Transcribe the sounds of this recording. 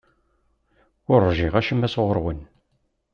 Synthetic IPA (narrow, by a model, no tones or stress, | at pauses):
ʊɾːʒiʁæʃəmːæsʁəɾˤwən